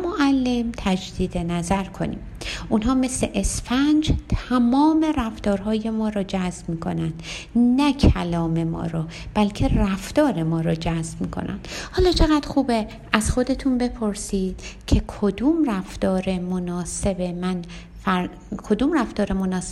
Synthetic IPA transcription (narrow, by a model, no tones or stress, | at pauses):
moʔælːe̞mt̪ʰæd͡ʒd̪iːd̪e̞næzæɾkʰo̞̰nḭːmunɦɒːme̞sle̞ʔesfænd͡ʒt̪ʰæmɒːme̞ræft̪ɒːɾɦɒːje̞mɒːɾɒːd͡ʒæzb̥miːkʰo̞̰nænd̪næcʰælɒːme̞mɒ̰ːɾɒː | b̥ælcʰe̞ræft̪ɒːɾe̞mɒːɾɒːd͡ʒæzb̥miːkʰo̞̰næ̰nd̪̥hɒːlɒːt͡ʃʰe̞ɣæd̪̥xuːbe | ʔæz̥xo̞d̪e̞t̪ʰunbe̞pʰo̞ɾsiːd̪̥cʰe̞kʰod̪umræft̪ɒːɾe̞monɒːse̞be̞mæn | fæɾ | kʰo̞d̪uːmræft̪ɒːɾe̞monɒːs